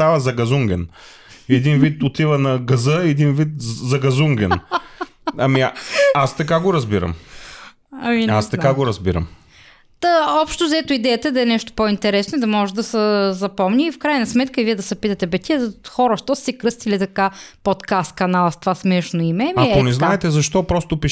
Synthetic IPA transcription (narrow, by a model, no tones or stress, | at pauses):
avɐzɐɡɐzuŋɡɛn | ɛd̪invit̪ot̪ivənɐɡɐzɤɛd̪invit̪zɐɡɐzuŋɡɛn | ɐmiast̪ɐkaɡoɾɐzbiɾə̰m | ɐmina̰st̪ɐkaɡoɾɐzbiɾə̰m | t̪aɔpʃt̪ozɛt̪ʊid̪ɛjɐt̪ɐɛd̪ɐɛnɛʃt̪o̥point̪ɛɾɛsnoid̪ɐmɔʒɛd̪ɐsəzɐpɔmnʲiːfkɾajnɐsmɛt̪kəviɛd̪ɐsɐpit̪ət̪ɛbɛt̪ʲiɛd̪xɔɾəʃt̪ɔssɛkɾɤst̪ilit̪ɐkapot̪kast̪kɐnalˠst̪vasmɛʃnoimɛmɐonɛznaɛt̪ɛzɐʃt̪ɔpɾɔst̪ʊpi